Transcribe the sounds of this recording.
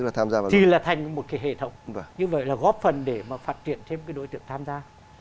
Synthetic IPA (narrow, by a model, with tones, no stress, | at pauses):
ɨ˦˥klaː˨˩t̪ʰaː˧mzaː˧vaː˨t̪ʰi˨˩laː˨˩t̪ʰa˨˩jŋ̟mo˨˩kaː˨˦jɦḛ˧˨t̪ʰə˧˦wŋ͡mɲɨ˧və̰˧˨jlaː˨˩ɣɔ˦˥p̚fə˨˩nɗe˧˩maː˨˩faː˦˥t̚t͡ɕḭ˧˨ənt͡ɕʰe˧mkaː˨˦jɗo̰˧˦jt̪ɨ̰˧˨əŋt̪ʰaː˧mzaː˧